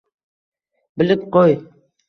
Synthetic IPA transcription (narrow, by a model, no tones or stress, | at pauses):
bɪlɪp̚qoj